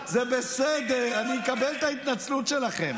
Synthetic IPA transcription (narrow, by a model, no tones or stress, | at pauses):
zebesed̪eʁanikabelt̪ait̪nat͡slutʃe̞laχem